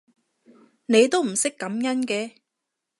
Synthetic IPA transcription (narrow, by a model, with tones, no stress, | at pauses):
ne˨˧jt̪o˥wm̩˨˩sɪ˥kːɐ˨˥mjɐ˥nkɛː˧